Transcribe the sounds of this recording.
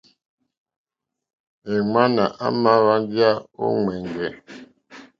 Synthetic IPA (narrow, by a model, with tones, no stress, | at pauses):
e˨ŋa˦na˨ʔa̰˦ma˦βa˦n˦ɡja˦o̰˦ŋwɛ˨ŋɡɛ˨